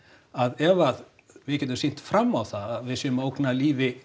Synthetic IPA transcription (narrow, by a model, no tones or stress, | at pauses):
aðɛvað | vɪðcɛːt̪̬ʏmsin̥t̪fɾamːawθaðaðvɪsʏːʏmaowknaliːvɪ